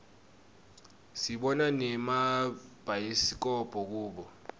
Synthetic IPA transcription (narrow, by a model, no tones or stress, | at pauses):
siɓɔnanɛmab̥ʱajisik̬ɔb̥ʱɔk̬uːɓɔ